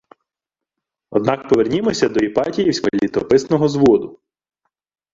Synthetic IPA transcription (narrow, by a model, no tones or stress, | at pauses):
ɔ̰d̪̚nɑkpɔʋernʲimɔsʲɐd̪ɔipɑtʲijiwsʲkɐlʲit̪ɔpɪsnɔɦɔzʋɔd̪ʊ